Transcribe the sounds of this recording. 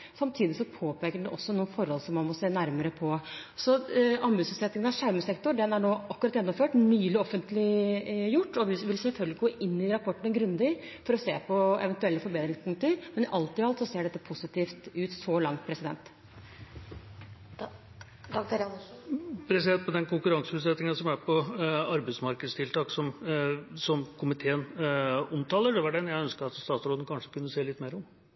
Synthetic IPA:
sɑmt̪ʰiːd̪ɪsɔpʰoːpʰeːkəɖɛʔɔsːɔnuːənfɔɾhɔlsɔmːɑnmɔseːnæɾməɾəpʰɔsɔɑmbʉːsʉt̪sɛt̪nɪŋənɑʋʂæɾməsɛkt̪ʊɾɖɛnæɳoːɑkːʉɾɑt̪jɛnːɔmføːʈnyːlɪɔfənt̪lɪjʊʈːɔʋɪʋɪlsɛlfœlɡlɪɡoːʔɪnːɪɾɑpʰɔʈːnəɡɾʉnd̪ɪ | fɔɾɔseːpʰɔɛ̰ʋɛnt̪ʉɛlːəfɔɾbeːd̪ɾɪŋspʰʊŋkt̪əɾmɛnɪʔɑlt̪ɪhɑlt̪sɔseːɖɛt̪ːəpʰʊsɪt̪iːft̪ʉːt̪sɔlɑŋt̪̚pʰɾɛsɪd̪ɛ̰nt̪ | d̪ɑɡd̪ɛɾ | pʰɾɛsɪd̪ɛnt̪̚mɔd̪ɛnkʊŋkʉɾɑŋsəʉːt̪sɛt̪nɪŋəɑsɔmæɾpʰɔɑɾbəɪsmɑɾkəd̪st̪ʰɪlt̪ʰɑːksɔm | sɔmkʰʊmɪt̪ʰeːənɔmt̪ʰɑːlːəɖɛʋɑɖɛnjæɪœnskəɾɑt̪st̪ɑːt̪sɾoːd̪ənəkʰɑnʂəkʰʉnːəseːlɪt̪ːmeːɾɔm

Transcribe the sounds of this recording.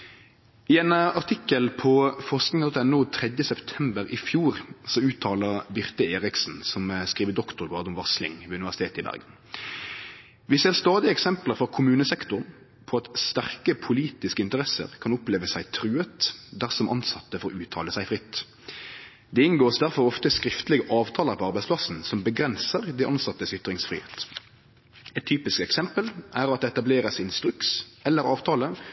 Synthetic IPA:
ɪɛːnəɑʁt̪ʰɪkːəlpʰɔfɔʁʂknɪŋɑt̪ɔt̪ɛnːʊt̪ʰʁɛd̪jəsɛpt̪ʰɛmbəɾɪfjuːʁsɔʉːt̪ʰɑːləʁbʏʁt̪əeːʁɪksn̩sɔmskiːʋəd̪ɔkt̪ʊɾɡɑːʁd̪ʊmʋɑslɪ̰ŋʋʉnɪʋæʁsɪt̪ʰeːt̪ɪbæ̰ʁɡən | ʋɪseːʁst̪ɑːd̪ɪəɛksɛmpləɾfɔʁkʰʊmʉːnəsɛkt̪ʊʁn | pʰɔɑt̪st̪æʁkəpʰʊliːt̪ɪskəɪnt̪əʁɛsə̰ʁkʰɑnʊpleːʋəsæɪt̪ʰɾʉːət̪d̪æʁsɔmʔɑ̰nsɑt̪ːəfɔʁʉːt̪ʰɑ̰ːləsæɪfʁɪt̪ː | d̪ɛɪnɡoːsd̪æʁfɔʁɔft̪əskɾɪft̪lɪɡəʔɑːʋt̪ʰɑːləɾpʰɔɑʁbæɪspʰlɑsnsɔmbəɡʁɛnsəʁd̪ɛɪʔɑnsɑt̪ːəsʏt̪ɾɪŋsfʁḭːhḛːt̪ | ɛt̪ʰːyːpɪskɛksɛmpəlʔæʁɑt̪̚d̪ɛɛt̪ɑbleːʁəsɪnst̪ɾʉksɛlːəɾɑːʋt̪ʰɑːlə

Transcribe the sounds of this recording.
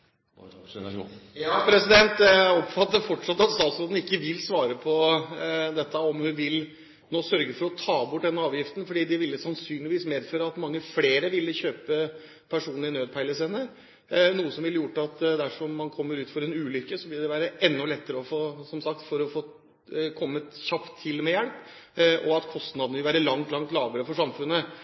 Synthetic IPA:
jɑːpʰɾɛsɪd̪ɛnt̪ɔpfɑt̪ːəfɔʈʂɑt̪ːɑt̪st̪ɑːt̪sɾoːd̪n̩ɪkːəʋɪlsʋɑːɾəpʰɔ | d̪ɛt̪ʰːəɔmhʉʋɪl | noːsœɾɡəfɔɾɔt̪ʰɑːbʊʈ̚ːd̪ɛnːəɑːʋjɪft̪n̩fɔɖiːd̪ɪʋɪlːəsɑnsyːnlɪʋiːsmeːd̪føːɾəɑt̪mɑŋːəfleːɾəʋɪlːəçøːpə | pʰæʂuːnɪnøːd̪̚pʰæɪləsɛnə | nuːəsɔmʋɪlːəjʊʈːɑt̪d̪æʂɔmːɑnkʰɔmːəɾʉːt̪fɔɾɛnʉːlʏkːəsɔʋɪld̪ɛʋæːɾəʔɛnːɔlɛt̪ːəɾəɔfoːsɔmsɑk̚t̪fɔɾɔfoː | kʰɔmːəçɑpt̪ʰːɪlmɛjɛɽp | ʔɔɑt̪kʰɔst̪nɑd̪nəʋɪlʋæːɾəlɑŋt̪lɑŋt̪lɑːʋəɾəfɔʂɑmfʉnːə

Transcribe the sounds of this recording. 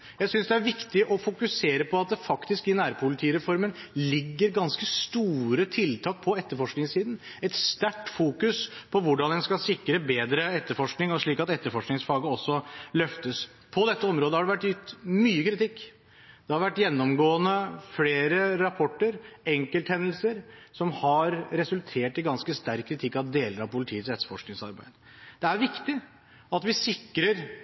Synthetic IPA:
jæɪsʏnsd̪ɛæɾʋɪkt̪ɪʔɔfʊkʉseːɾəpʰɔɑt̪̚d̪ɛfɑkt̪ɪskɪnæːɾpʰʊlɪt̪ʰiːɾɛfɔɾmənlɪɡːəɾɡɑnskəst̪uːɾət̪ʰɪlt̪ʰɑːk̚pʰɔɛt̪ːəɾfɔʂknɪŋsiːd̪n̩ | ɛt̪st̪æʈːfuːkʉspʰɔʋʊɖɑnɛnskɑsɪkɾəbeːd̪ɾəɛt̪ːəɾfɔʂknɪŋɔʂɭiːkɑt̪ɛt̪ːəɾfɔʂknɪŋsfɑːɡəɔsːɔlœft̪əs | pʰɔd̪ɛt̪ːəɔmɾoːd̪əhɑɖɛʋæʈːjʏt̪myːəkʰɾɪt̪ɪkː | d̪ɛhɑɾʋæʈːjɛnːɔmɡoːənəfleːɾəɾɑpʰɔʈːəɾɛŋkəlt̪hɛnːəl̩səɾsɔmhɑɾɾɛsʉlt̪ʰeːʈɪɡɑnskəst̪æɾkʰːɾɪt̪ʰɪkːɑʋd̪eːləɾɑʋpʊlɪt̪ʰiːət̪sɾɛt̪sfɔʂknɪŋsɑ̰ɾbæ̰ɪd̪ə | d̪ɛæɾʋɪkt̪ɪ | ɑt̪ʋɪsɪkːɾəɾ

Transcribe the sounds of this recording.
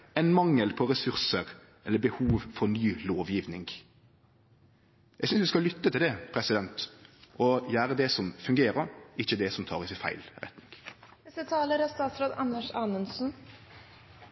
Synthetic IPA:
ɛɪnmɑŋːəlpʰɔɾɛsʉʁsəɾ | ɛlːəbəhuːʋfɔɾnyːloːʋjɪʋnɪŋɡ | jæɪɡsʏnsʋ̪ɪskɑlʏt̪ːət̪ʰɪld̪ɛpʰɾɛsɪd̪ɛnt̪ʔɔjæːɾəd̪ɛsɔmfʉŋɡeːɾəɾɪçːəd̪ɛsɔmt̪ʰɑ̰ːʁɪsɪfæ̰ɪlɾɛ̰t̪nɪ̰ŋɡ | ɛsət̪ʰɑːləɾɑst̪ɑːt̪sɾoːd̪ɑnːəʂɑːnənsn̩

